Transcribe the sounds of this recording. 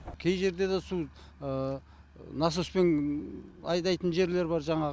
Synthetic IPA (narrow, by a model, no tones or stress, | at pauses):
kʲʰejʒe̞ɾd̪e̞d̪esu | nɑs̬uspen | ɑjd̪ɑjt̪ənʒe̞ɾle̞ɾbɑɾʒɑɴɑ